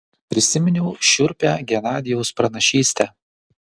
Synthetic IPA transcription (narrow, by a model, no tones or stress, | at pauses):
pʲɾʲɪsʲɪmʲɪnʲɛʊʃʲʊɾʲpʲæːɡʲɛnɑːd̪ʲɪjɔʊspɾɐnɐʃʲiːsʲt̪ʲɛː